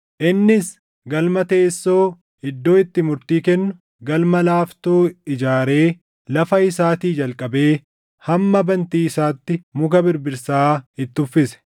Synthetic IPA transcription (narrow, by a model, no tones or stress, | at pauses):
ʔɪnːɪs | ɡɐlmɐt̪eːsːo̞ː | ɪd̪ːo̞ːɪt̪ːɪmʊɾt̪iːkɛnːʊ | ɡɐlmɐlaːft̪oːɪd͡ʒaːɾe̞ː | lɐfɐɪsaːt̪iːd͡ʒɐlkʼɐbe̞ː | hɐmːɐbɐnt̪iːɪsaːt̪ːɪmʊkɐbɪɾbɪɾsaːɪt̪ːʊfːɪsɛ̥